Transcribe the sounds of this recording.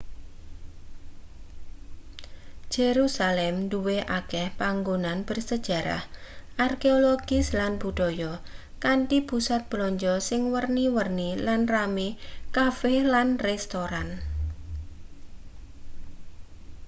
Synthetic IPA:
d͡ʒ̥eɾusalɛmɳduweʔakɛhpaŋɡonanb̥ərsəd̥ʒ̥a̤ɾa̰hʔarkeoloɡ̥ɪslanbuɖ̥ɔjɔ | kaɳʈipusat̪̚b̥lɔɲd͡ʒɔsɪŋwərniwərnilanramikafɛlanrɛst̪oɾan

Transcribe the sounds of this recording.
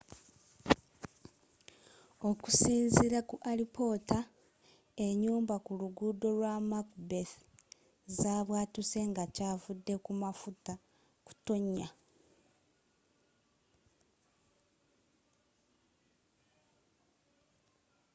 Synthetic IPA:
o̞ku̥siːnziɾakuʔalipo̞ːta | e̞ɲuːmbakuluɡudo̞lwamakbeθ | zaβwaːtuse̞ŋɡacaːvudːe̞kumafuta | ku̥to̞ɲːa

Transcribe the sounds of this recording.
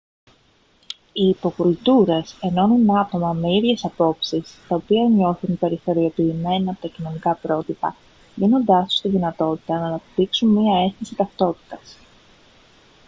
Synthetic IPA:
iːpo̞kult̪uɾe̞se̞no̞ninɐt̪o̞mɐme̞iðʝe̞sɐpo̞psist̪ɐopiɐɲo̞θunpe̞ɾiθo̞ɾio̞piːme̞nɐːpo̞t̪ɐcino̞nikɐpɾo̞t̪ipɐ̰ | vino̞nd̪ɐso̥st̪iðinɐt̪o̞t̪i̥t̪ɐnɐːnɐpt̪iksunmiɐe̞st̪isit̪ɐft̪o̞t̪i̥t̪ɐs

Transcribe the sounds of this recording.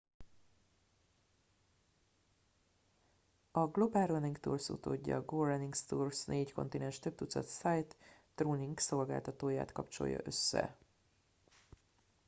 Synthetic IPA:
ɒɡlo̞baːlrɛniŋkt̪uːrsṵt̪oːɟːɒ̰ɡoːrɛniŋkst̪uːrsnʔeːcko̞̰nt̪inɛnʃt̪ø̞b̚t̪ut̪sɒt̪sajt̪ː | ruːniŋɡkso̞lɡaːlt̪ɒt̪oːja̰ːt̪kɒpt͡ʃo̞̰jːɒ̰ʔø̞sːɛ̰

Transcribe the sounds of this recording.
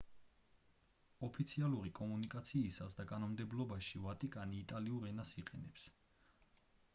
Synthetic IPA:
ɔpʰit̪sʰialˠuɾikʼɔmunikʼat̪sʰiːsasd̪akʼanɔmd̪ɛblɔbaʃivat̪ʼikʼaniːt̪ʼaliuɾɛnasiqʼɛnɛps

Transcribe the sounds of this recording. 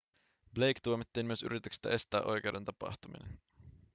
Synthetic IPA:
ble̞jkt̪uomit̪ːiːnmyøsy̰ɾʔit̪yksi̥t̪æ̰ʔe̞st̪æːʔo̞jke̞wde̞nt̪ɑpɑ̰xt̪umḭnḛn

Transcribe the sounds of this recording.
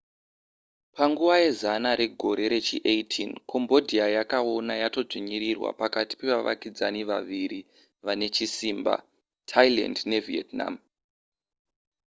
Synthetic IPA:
paŋɡuʋaje̞zanaɾʔe̞ɡʱo̞ɾe̞ɾe̞t͡ʃiʔetʰḭnkʰo̞mbo̞dʱiajakao̞najato̞ʐiɲiɾirwa̰pakati̥pe̞ʋaʋa̰kid͡zaniʋa̰ʋiɾi | ʋane̞t͡ʃisiːmba̰ | tʰaila̰ndne̞vietna̰m

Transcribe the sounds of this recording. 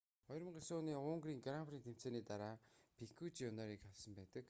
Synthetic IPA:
ɔjɾə̆mɢesoːniːʊːŋɡɾiːŋɡaɾampʰriːnt̪ʰem̥t͡seːniːt̪aɾaːpʰikʰut͡ɕjʊnaɾiːkaɮsə̆mpæːt̪ə̆k

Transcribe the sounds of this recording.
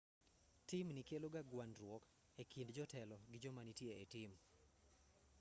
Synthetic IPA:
timnikeloɡaɡwanɾwɔk | ekʰindd͡ʒɔtɛlɔɡɪd͡ʒɔmanitjeetim

